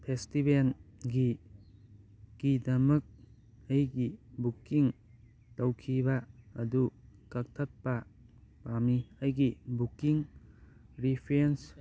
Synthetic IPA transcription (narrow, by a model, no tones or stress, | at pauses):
pʰestibelɡi | ɡ̥idɐmɐk̚ | ɐjɡibukːiŋ | tɐwkʰibɐɐdukɐk̚tʰɐt̚pɐpamiɐjɡibukːiŋ | ɾipʰɾens